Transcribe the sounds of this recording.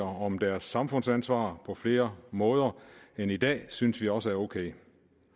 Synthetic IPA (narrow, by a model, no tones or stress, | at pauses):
ɐɒ̽md̥æɐsːɑ̈mfɔ̽n̰sænsʋɑ̰̈ːpʰɒ̽fle̝ːɐmɔ̽ːð̞ˠɐenid̥ɛ̰ːsynsʋiɒ̽səæɐoʊkʰeɪ